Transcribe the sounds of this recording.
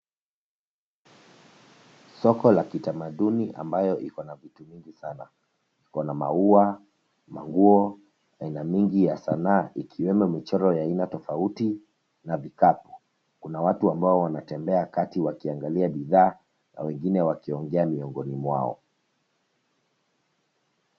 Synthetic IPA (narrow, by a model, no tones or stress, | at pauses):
sɔkɔlakitamaɗuniʔa̰mbajɔʔikɔnavitumiŋɡisana | ikɔnama̰ua | ma̰ŋɡuɔ | ainamiŋɡijasanaːʔikʰiwɛmumit͡ʃɔɾɔjainatɔfauti | navikapu̥ | kunawatuambaɔwanatɛmbɛakatiwakiaŋɡaliaɓiðaː | na̰wɛŋɡinɛwakiɔŋɡɛamiɔŋɡɔnimwa̰ɔ̰